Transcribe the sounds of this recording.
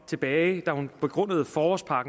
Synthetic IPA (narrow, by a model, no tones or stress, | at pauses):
t͡sʰe̝b̥ɛːɪd̥æhunb̥e̝ɡ̥ʁɔ̽n̰əð̞̩ˠfɒːɒsd̥̚pʰɑ̈ɡ̥